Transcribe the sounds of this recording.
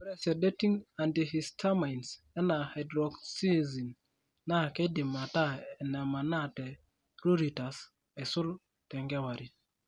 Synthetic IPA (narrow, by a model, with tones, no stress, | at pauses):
pɾɛ˨sɛ˨dɛ˦ti˦ŋa˨ndii˨stʰa˦majns | ɛ˦na˨ha˨jdɾɔ˨ɡsi˦zi˨nː | a˦kɛ˦di˨ma˨ta˦ɛ˨nɛ˨ma˨na˦tɛ˨ | ɾu˦ɾi˨ta˨s | ɛ˨su˦l | tɛ˨ŋɡɛ˦wa˨ɾi˨t̚